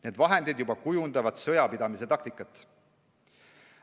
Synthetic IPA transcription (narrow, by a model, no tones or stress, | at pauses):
ne̞ːd̪vɑɦe̞nd̪id̪jubɑkujund̪̥ɑvɑd̪̥sɤjɑpid̪ɑmise̞t̪ɑkt̪ikːˑɑt̪ːˑ